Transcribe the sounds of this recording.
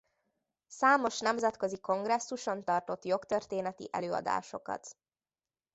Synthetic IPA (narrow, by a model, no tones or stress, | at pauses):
saːmo̞ʃnɛmzɛt̪kø̞ziko̞ŋɡrɛsːuʃo̞nt̪ɒrt̪o̞t̪jo̞kt̪ørt̪eːnɛt̪ḭʔɛ̰løːɒ̰d̪a̰ːʃo̞kɒ̰t̪